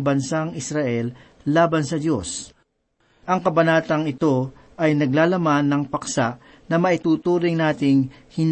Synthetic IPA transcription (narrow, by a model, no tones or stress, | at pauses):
bɐnsaŋɪsɾɐʔɛlː | aːbɐnsɐd̪jo̞s | ʔɐŋkɐbɐnaːt̪ɐŋɪt̪o̞ | ʔɐjnɐɡlaːlɐmanːɐŋpɐksaʔ | nɐmɐʔɪt̪uːt̪uːɾɪŋnaːt̪ɪŋ | hɪn